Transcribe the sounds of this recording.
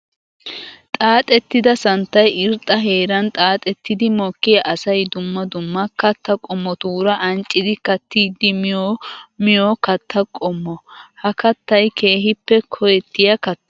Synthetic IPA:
t̪ʼaːt̪ʼɛt̪ːɪd̪ɐsɐnt̪ːɐjɪɾt̪ʼːɐɦeːɾɐnt̪ʼaːt̪ʼɛt̪ːɪd̪ɪmɔːkːɪjɐʔɐsɐjd̪ʊmːɐd̪ʊmːɐkɐt̪ːɐkʼɔmːɔt̪uːɾɐʔɐnt͡ʃʼːɪd̪ɪkɐt̪ːiːd̪ːɪmjomɪjɔkɐt̪ːɐkʼɔmːɔhɐkɐt̪ːɐjkʰe̞ːɦɪpːɛkʰɔjɛt̪ːɪjɐkɐt̪ː

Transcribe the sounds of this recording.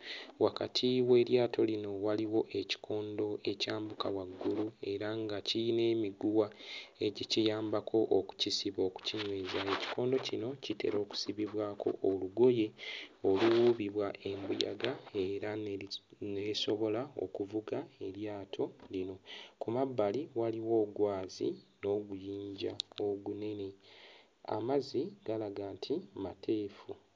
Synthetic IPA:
waka̰tʰiwe̞ːɾjaːtʰo̞lino̞waliwo̞ʔeci̥kʰo̞ːndo̞e̞caːmbukawaɡːulue̞ɾaŋɡacine̞ːmiɡuwae̞ɟicijaːmbakʰo̞ʔoku̥cisiβo̞ːku̥ciɲweːzae̞ci̥ko̞ːndo̞cino̞cite̞̰ɾʔo̞ːku̥siβiβwaːkʰo̞̰ʔːluɡo̞je̞o̞luwuːβiβwaʔe̞mbuja̰ɡaeɾa | neso̞βo̞lao̰kuvuɡae̞ɾjaːtʰo̞lino̞kumabːaliwaliwo̞ːɡwaːzḭno̞ɡujiːɲɟaoɡune̞ne̞ | a̰maziɡ̥alaɡaːntʰimatʰe̞ːfu

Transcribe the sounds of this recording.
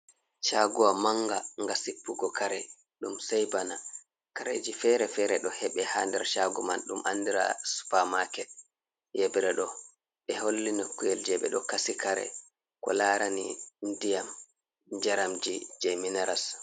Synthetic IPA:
ʃaɡuwamaŋɡaŋɡasipːuɡɔkaɾɛ | ɗumsɛjbana | kaɾḛd͡ʒifɛɾɛfɛɾɛɗɔhɛɓɛhandɛɾʃaɡumanɗumʔa̰ndiɾa̰su̥pamakɛ | jebɾɛɗɔ | ɓɛholːinokːujɛld͡ʒɛɓɛ̰ɗɔkasikaɾɛ̰ | kɔ̰laɾanindijam | d͡ʒaɾamd͡ʒid͡ʒɛminaɾas

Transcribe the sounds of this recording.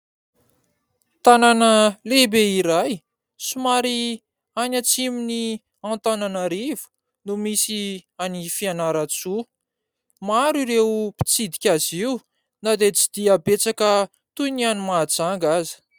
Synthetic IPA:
t̪ananəlebeiɾaj | sumaɾi | anat͡simini | ãnt̪ananəɾivu̥ | numisianifianaɾat͡su | maɾiɾepi̥t͡sid̪ikʲaziw | nad̪et͡si̥d̪̥iabet͡sakə | t̪unianimad͡zaŋɡazi̥

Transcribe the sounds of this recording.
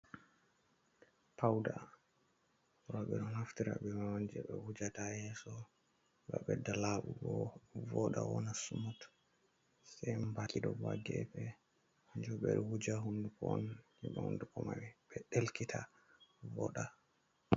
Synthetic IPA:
pawda | ɾɔɓɛɗɔnhaftiɾa̰bɛmawand͡ʒɛɓɛwud͡ʒatajɛsɔ | baɓɛdalaɓuɡɔvɔɗa̰wɔnasumut | sɛjmbakʼiɗɔba̰ɡɛ̰pɛ | aɲd͡ʒɔɓɛɗɔwud͡ʒaɦundukɔɔnhɛɓɛ̰hṵndukɔmawɛɓɛɗelkitʰa | vɔɗa

